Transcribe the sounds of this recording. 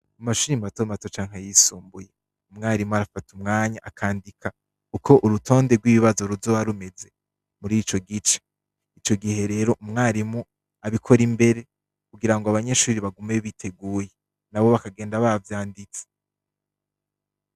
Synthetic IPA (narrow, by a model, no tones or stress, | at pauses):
umaʃuːɾimato̞mato̞t͡ʃaːŋɦajisuːmbuje̞ | umŋaːɾimuaɾafatumŋaːɲaʔakʰaːndikʰa | ukʰo̞ʔuɾutʰo̞ːnde̞ɡwiːβiβazo̞ɾuvzo̞βaɾume̞ze̞ | muɾit͡ʃo̞ɡit͡ʃe̥ | it͡ʃo̞ɡihe̞ɾe̞ɾo̞ʔumŋaːɾimu | aβikʰo̞ɾimbe̞ɾe̞ | kuɡiɾaŋɡoaβaɲe̞ʃuːɾiβaɡumeβitʰe̞ɡuːje̞ | naβo̞βakaɡe̞ːndaβavjaːndit͡se̥